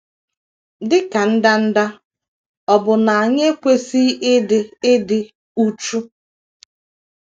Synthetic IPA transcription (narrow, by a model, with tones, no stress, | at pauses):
dɪ˦ka˨n̩˦da˦n̩˦da˦ | ɔ˨bʊ˨na˨a˨ɲe˦kʷe˦si˦ʔɪ˦dɪ˨ɪ˦dɪ˨ | u˦t͡ʃu˦